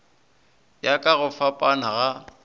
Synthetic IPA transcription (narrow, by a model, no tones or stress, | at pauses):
jakʼaɣʊfapʼanaɣa